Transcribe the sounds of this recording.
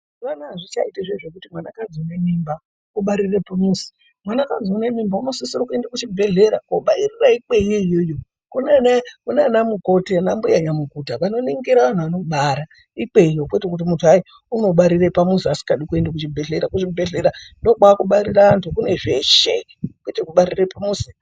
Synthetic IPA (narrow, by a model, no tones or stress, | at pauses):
ʋanuaʐit͡ʃaitaʐeʐekutimwanakad͡ziune̞mimba | uɓaɾirepamusi̥ | mwanakad͡zune̞mimbauno̞sisirakue̞ndakut͡ʃibʱe̞ɮe̞ɾakoɓairiraik͡peiijojo | kunanakunanamuko̞tenambujaɲamukutaʋano̞niŋɡiɾaʋan̤uʋano̞ɓaɾa | ik͡pe̞ijokwetekut̬imutʰuai | uno̞ɓaɾirepamusiasi̥kaɗikue̞ndak̬ut͡ʃibʱeɮe̞ɾakut͡ʃibʱe̞ɮe̞ɾando̞ɡ͡baakuɓaɾirantʰukune̞ʐeʃe | kwetekuɓaɾirepamusi̥